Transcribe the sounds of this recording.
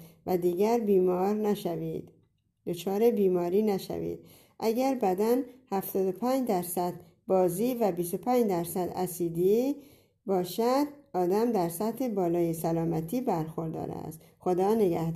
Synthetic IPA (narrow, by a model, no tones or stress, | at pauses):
væd̪iːɡæɾbiːmɒːɾnæʃæviːd̪̥ | d̪̥o̞t͡ʃʰɒːɾe̞biːmɒːɾiːnæʃæ̰vḭd̪̥̚ | ʔæɡæɾbæd̪ænhæft̪ɒːd̪opʰæɲd͡ʒd̪æɾsæd̪ | bɒːziːvæbist̪opʰæɲd͡ʒd̪æɾsæd̪æ̰siːd̪i | bɒːʃæd̪̥̚ɒːd̪æmd̪æɾsæt̪hebɒːlɒːjesælɒːmæt̪ʰiːbæɾxo̞ɾd̪ɒ̰ːɾæ̰s | xo̞d̪ɒːneɡæh̪